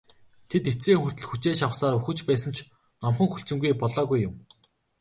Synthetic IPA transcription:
t̪ʰet̪et͡seːŋxur̥t̪ɘ̆ɮxut͡ɕeːʃawsaːɾuxɘ̆t͡ɕpæːsə̆nt͡ɕʰ | nɔmχə̆ŋxuɬt͡ɕɪ̆mɡujpɔɮɔːɣujːʊm

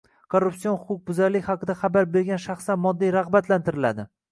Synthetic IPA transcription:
kʰoɾːupsijonχʊqʰʊq̚bʊzaɾlɪkʲhɑqʰɨd̪aχabaɾbe̞ɾɡʲanʃaχsanmɒd̪ːijɾɑʁbat̪lant̪ɪɾɪla̰d̪ɪ

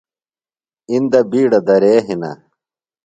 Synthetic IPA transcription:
ind̪ɐbiːɽɐd̪ɐɾeːɦinɐ̰

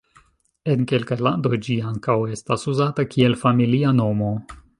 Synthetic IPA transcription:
e̞nke̞lkajlando̞jd͡ʒiaŋkawe̞stasuzatakʰie̞lfamiliano̞mo̞

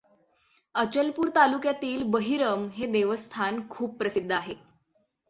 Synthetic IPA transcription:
ət͡ɕəlpuːɾt̪alukjat̪iːlbəɦiɾəmɦed̪eʋəst̪ʰankʰuːpːɾəsid̪ʱːəaɦe

